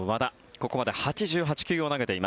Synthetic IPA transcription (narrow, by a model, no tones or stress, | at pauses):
mad̪a | ko̞ko̞mad̪e̞hat͡ɕiʑɨːɦat͡ɕi̥kʲɨːo̞naɡe̞t̪e̞ima